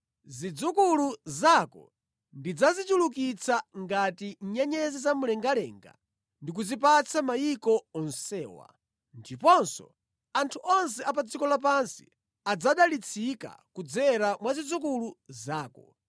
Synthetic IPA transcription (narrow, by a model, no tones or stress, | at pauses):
zid͡zukuluzakɔ̰ | ndid͡zazituluk̬it͡sʰaŋɡatiɲɛɲɛzɛzamulɛŋɡalɛ̰ːŋɡa̰ | ndik̬uzipat͡sʰamajikɔːnsɛːwa̰ | ndipɔnsɔ̰ | antʰuʔɔns̬ɛapad͡zikɔlap̬ansi̥ | ad͡zaɗalit͡sʰika̰kud͡zɛɾamwazid͡zukuluzaːkɔ